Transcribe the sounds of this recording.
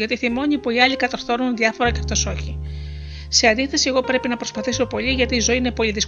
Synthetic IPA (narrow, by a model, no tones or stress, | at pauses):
ʝɐt̪iθimo̞ɲipoiɐʎikɐt̪ɐɾθo̞nunðiɐfo̞ɾɐceft̪o̞so̞çi | se̞ɐnd̪iθe̞sieɣo̞pɾe̞pinɐpɾo̞spɐθiso̞po̞ʎiʝɐt̪iːzo̞iine̞po̞liðis